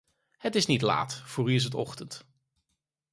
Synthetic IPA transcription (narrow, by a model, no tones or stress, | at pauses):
hətɪsnitla̰ːtfʊːryɪs̬ətɔ̰χtənt